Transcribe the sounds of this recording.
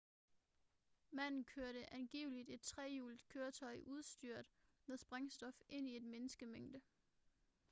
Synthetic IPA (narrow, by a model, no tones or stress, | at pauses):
mæn̰n̩kʰøɐɾəʔænɡ̥ḭːʊlid̥e̝d̥̚t͡sʰʁɛːjuːld̥kʰøːɐt͡sʰɒ̽ɪʔuð̞ˠsd̥yɐ̰d̥nɒsb̥ʁɑ̈ŋsd̥ɒ̽fʔe̝n̰ie̝d̥menəsɡ̥əmeŋ̰d̥ə